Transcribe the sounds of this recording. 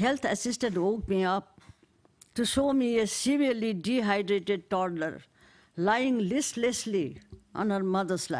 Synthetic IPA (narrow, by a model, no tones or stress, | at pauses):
ɦɛlt̪ʰəsɪsʈə̃nʈoːkmiʌp̚ | ʈuʃoːmiesiʋiəɾliɖiɦaɪɖɾeːʈeɖ̚ʈɔɾlə̰ɾ | laɪɪ̃ŋlɪslesliʔɔ̰̃nɦəɾmʌd̪əɾsla̰